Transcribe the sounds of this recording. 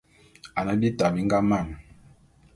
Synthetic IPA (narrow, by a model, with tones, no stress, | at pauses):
a˨na˨˦bi˦ta˨bi˦ŋɡa˦ma˦˨n